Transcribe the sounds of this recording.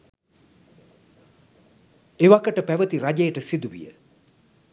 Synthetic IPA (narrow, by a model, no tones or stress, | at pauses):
eʋakəʈəpæʋət̪iɾad͡ʒejəʈəsid̪uʋḭjə̰